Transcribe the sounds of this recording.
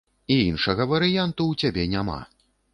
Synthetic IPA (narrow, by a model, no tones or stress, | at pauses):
iinʂɐɣɐvɐɾɨjant̪uːt͡sʲabʲɛnʲama̰